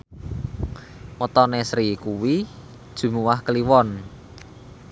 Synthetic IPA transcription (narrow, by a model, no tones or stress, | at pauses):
mɔt̪ɔnesɾikuwi | d̥ʒ̥ṳmuwahkəliwɔn